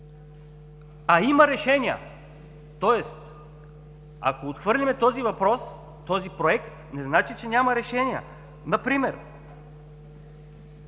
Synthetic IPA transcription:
aimɐɾɛʃɛniə̰ | t̪ɔɛst̪ | a̰koːt̪xvɤɾlʲimɛt̪ɔzivɐpɾɔs | t̪ɔzipɾoɛkt̪nɛznat͡ʃit͡ʃɛnʲamɐɾɛʃɛnʲiə̰ | nɐpɾimɛɾ

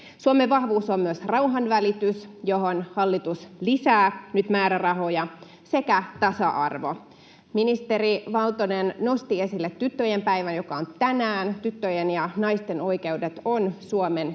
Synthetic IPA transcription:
suomeʋʋɑhʋuːsommyøsrɑuɦɑnʋælit̪ysjoɦonhɑlːit̪uslisæːnyt̪mæːɾærɑɦo̞jɑ | se̞kæt̪ɑsɑʔɑrʋo̞̰ | minist̪e̞ɾiʋɑlt̪onenno̞st̪ie̞silːet̪ːyt̪ːøjempæiʋænjokɑont̪ænæːnt̪yt̪ːøjenjɑnɑist̪e̞no̞jke̞udet̪onsuomen

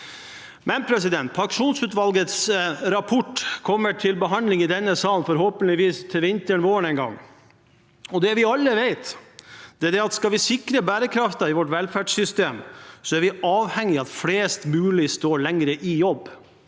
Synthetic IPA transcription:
mɛnpʰɾɛs̬ɪd̪ɛnt̪pʰɑŋkʂuːnsʉːt̪ʋɑlɡət̪sɾɑpʰɔʈːkʰɔmːəʈʰɪlbəɦɑnd̪lɪŋɪd̪ɛnːəsɑːlnfɔɾɦoːpənlɪʋiːst̪ʰɪlʋɪnt̪əɳʋoːəɳɛŋɡɑ̰ŋː | ɔd̪ɛʋɪɑlːəʋeɪt̪d̪ɛæɖ̪ɛɑt̪skɑlʋɪsɪkɾəbæːɾəkʰɾɑft̪ɑɪʋɔʈʋɛlfæːɖsʏst̪eːmsɔæɾʋɪɑːʋhɛŋːɪɑt̪fleːst̪mʉːlɪst̪oːɭɛŋɾəʔɪjɔbː

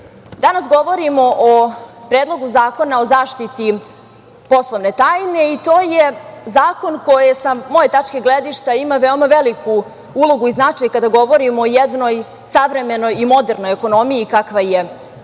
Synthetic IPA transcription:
d̪anasɡo̞ʋo̞ɾimo̞ʔopɾeːd̪lˠo̞ɡuzaːko̞nao̞zaːʃt̪it̪i | po̞slˠoʋne̞t̪aːjne̞it̪oːjezaːko̞nkʰo̞jesamo̞jet̪at͡ʃkeɡled̪iʃt̪eimaʋeomaʋelikʰu | ulo̞ɡuiznat͡ʂajkad̪aɡo̞ʋo̞ɾimoːjɛd̪no̞j | saʋɾe̞me̞no̞jimo̞d̪eɾno̞jeko̞no̞mijikakʋaje

